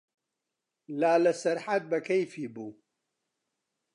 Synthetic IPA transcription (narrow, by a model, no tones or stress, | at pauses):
laːlɐsɐɾħat̪̚bɐkʰɐjfiːbuː